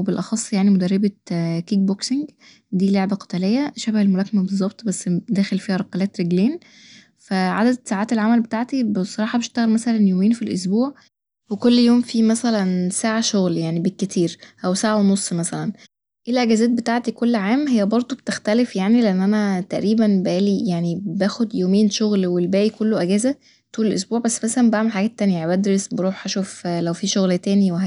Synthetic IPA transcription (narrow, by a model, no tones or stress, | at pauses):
ebelʔɑxɑsˤːjaʕnimod̪ærːebækiːɡ̚bokseŋɡ | d̪iːloʕbæqe̥t̪æːlejːæʃæbæhelmolæːkmæbezˤːɑbt̪ˤbæsːd̪æːxelfiːhæɾˤɑqɑlæːt̪ɾeɡleːn | fæʕad̪æd̪saʕaːt̪elʕamælbet̪aːʕt̪ibesˤːɑɾɑːħɑbeʃt̪æɣælmæsælænjomeːnfilʔos̬buːʕ | wekolːjoːmfiːmæsælænsaːʕaʃoɣljaʕnibekːet̪ʰiːɾʔæwsaːʕawnosˤːmæsælæn | ʔelʔæɡæːzæːt̪̚bet̪aʕt̪ikolːʕaːmɦejːæbɑɾˤd̪ˤobet̪ext̪ælefjaʕnileʔenːʔænæt̪æʔɾiːbænbʔæːlijaʕnibæːxod̪joːmeːnʃoɣlwelbæːʔikolːoʔæɡæːzæ | t̪uːlelʔos̬buːʕbæsːmæsælæmbʔaʕmelħaɡæːt̪ːænjææbæd̪ɾesbeɾˤuːħhæʃuːflæwfiʃoɣlt̪æːniweɦæ